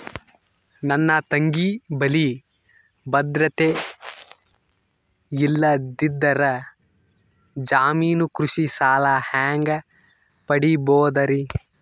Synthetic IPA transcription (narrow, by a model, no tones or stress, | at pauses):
nɐnːɐt̪ɐŋɡibɐli | bɐd̪ɾɐt̪e | ilːɐd̪id̪ːɐɾɐ | d͡ʒaːmiːnukɾuʃisaːlɐhaːŋɡɐ | pɐɽiboːd̪ɐɾi